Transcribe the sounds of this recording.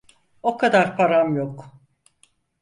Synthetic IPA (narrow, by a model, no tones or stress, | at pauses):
o̞kʰad̪aɾpʰaɾamjok